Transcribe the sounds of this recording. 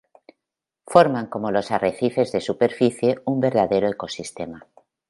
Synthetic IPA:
fo̞ɾmãŋko̞mo̞lo̞sareθife̞zðe̞supe̞ɾfiθje̞umbe̞ɾðaðe̞ɾoeko̞sist̪e̞ma

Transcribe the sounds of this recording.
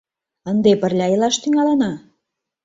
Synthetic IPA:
ənd̪epə̆rlʲɑjelɑʃt̪yŋɑlɤ̆nɑ

